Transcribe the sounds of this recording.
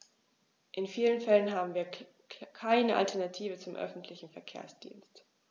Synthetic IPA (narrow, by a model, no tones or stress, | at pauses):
ʔɪnfiːlənfɛlənɦaːbm̩viːɐ | kʰaɪnəʔa̰ltʰɛɐnatʰiːvət͡sʊmʔœ̰fn̩tʰlɪçn̩fɛɐkʰḛːɐsd̥ḭːnst